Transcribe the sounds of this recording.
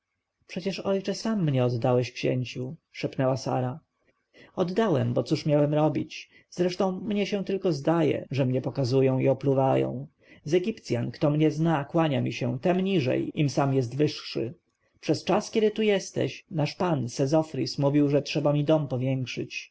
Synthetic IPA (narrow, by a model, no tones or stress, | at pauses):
pʂɛt͡ɕɛʂɔjt͡ʂɛsamːɲɛɔd̪ːawɛɕkɕɛ̰ɲt͡ɕuʂɛpnɛwasa̰ɾa | ɔd̪ːawɛmbɔt̪suʂmʲjawɛmɾɔbʲit͡ɕ | z̥ɾɛʂt̪ɔ̃w̃mɲɛɕɛ̃t̪ɘlkɔzd̪ajɛ̰ʐɛmɲɛpɔkazujɔ̃w̃iɔpluvajɔ̰̃w̃ | zɛɡʲipt̪sʲjankt̪ɔmɲɛznakwaɲamʲiɕɛ̰̃t̪ɛmɲiʐɛ̰jimsamjɛs̬t̪vɘʂʂɘ̰ | pʂɛst͡ʂaskʲɛd̪ɘt̪ujɛst̪ɛ̰ɕnaʂpansɛzɔfɾismuvʲiwʐɛtʂɛbamʲid̪ɔmpɔvʲjɛŋkʂɘ̰t͡ɕ